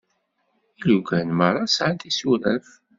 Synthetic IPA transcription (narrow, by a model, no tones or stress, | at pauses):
iluɡænməɾˤɑsʕant̪isuɾæ̰f